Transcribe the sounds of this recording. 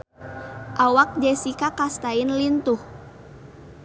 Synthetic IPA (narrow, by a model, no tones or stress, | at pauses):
ʔawak̚d͡ʒɛsikakast̪aɪnlint̪uh